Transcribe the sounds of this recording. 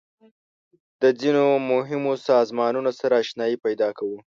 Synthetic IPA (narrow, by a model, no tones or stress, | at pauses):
d̪̥əd͡zinomʊɦɪmosɑzmɑnunosaɾaːʃnɑjipajd̪ɑkawu